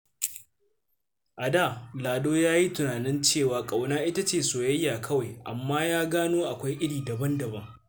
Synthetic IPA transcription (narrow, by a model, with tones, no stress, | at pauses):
ʔa˨daː˦˨laː˨doː˦jaː˦ji˦tʊ˨naː˨nɪ˦nt͡ʃeː˦˨waː˨kʼa˨wnaː˦ʔɪ˦ta˦t͡ʃeː˦˨soː˨jɐ˦jːaː˨kʰɐ˦wa˨jʔa̰˨mːaː˦jaː˦ɡaː˦noː˦ʔa˨kʷa˦jʔɪ˦ɽiː˨dɐ˨bɐ˦ndɐ˨bɐ˦ŋ